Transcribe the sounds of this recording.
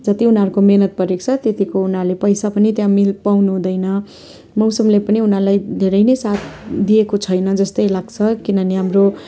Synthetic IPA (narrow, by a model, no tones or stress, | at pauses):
d͡zʌt̪iunaɾukomenʌt̪̚pʌɾek̚t͡sʰʌt̪et̪ikounɦalepʌjsapʌnit̪jãmilpawnuɦũd̪ʌjnʌ | mʌwsʌmlepʌniunalajd̪ʱeɾʌjnʌjsat̪ʰd̪ijekot͡sʰʌjnʌd͡zʌst̪ʌjlaɡt͡sʰʌkinʌniɦamro